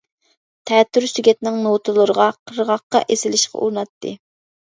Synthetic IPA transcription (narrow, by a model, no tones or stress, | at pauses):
t̪ʰɛt̪ʰːyɾsyɡʲɛt̪nɪŋnot̪ʰɨlˠəɾəʁɑqʰəɾʁɑqːɑ̰ʔesɪlɪʃqʰɑ̰ʔuɾnɑt̪ʰːɨ̰